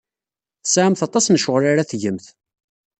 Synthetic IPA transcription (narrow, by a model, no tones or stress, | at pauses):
θə̥sʕamθɑt̪ˤɑsnʃʊʁɾaɾaθʝəmθ